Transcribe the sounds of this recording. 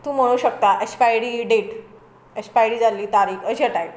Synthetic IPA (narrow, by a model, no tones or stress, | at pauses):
t̪uːm̤əɽ̃uːɕək̚t̪aʔekspajɽiːɖeʈ | ekspajɽiːd͡zaliːt̪aɾiːkəɕaʈaj